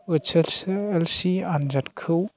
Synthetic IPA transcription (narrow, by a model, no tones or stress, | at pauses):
ɯt͡ʃeselsiand͡ʒatkʰɯw